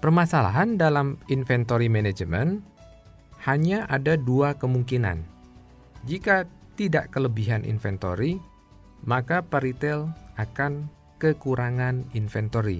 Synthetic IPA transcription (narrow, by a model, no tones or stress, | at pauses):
pərmasala̰ɦandalaminfɛnt̪oɾimɛned͡ʒəmən | haɲaʔadaduakəmuŋkina̰n | d͡ʒika | t̪idaʔkələbiɦanʔḭnfɛnt̪o̰ɾi | makapaɾit̪ɛlakan | kəkuɾʔaŋaninfɛnt̪oɾḭ